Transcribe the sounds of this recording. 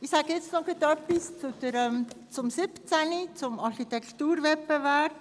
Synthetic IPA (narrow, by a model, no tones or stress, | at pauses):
ɪxsaːɡəjɛt͡stnɔɡet̪ɔpɪst͡sud̪̥əɾɛmt͡sʊmsɪpt͡sænit͡sʊmɑɾxit̪ɛkt̪uːɾvɛtpevɛrp